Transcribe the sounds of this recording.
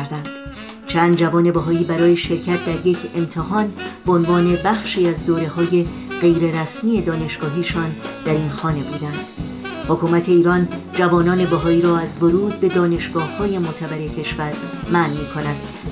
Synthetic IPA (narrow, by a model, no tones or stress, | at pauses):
ɾd̪ænd̪̥ | t͡ʃʰæːnd̪d͡ʒævɒːne̞beɦɒːiːbæɾɒːje̞ʃe̞ɾcʰæt̪̚ʰd̪æɾjecʰe̞mt̪ʰehɒːnbeonvɒːne̞bæxʃiːæzd̪oːɾe̞ɦɒːje̞ | ɢ̥e̞jɾe̞ɾæsmiːe̞d̪ɒːne̞ʃɡ̥ɒːɦiːʃɒːnd̪̥æɾiːnxɒːne̞buːd̪ænd̪̥ | hokʰuːmæt̪ʰe̞iːɾɒːnd͡ʒævɒːnɒːne̞bæɦɒːiːɾɒːæzvoɾuːd̪̚be̞d̪ɒːne̞ʃɡ̥ɒːhːɒːje̞mot̪ʰævæɾecʰe̞ʃvæɾ | mænmiːkʰo̞nænd̪̥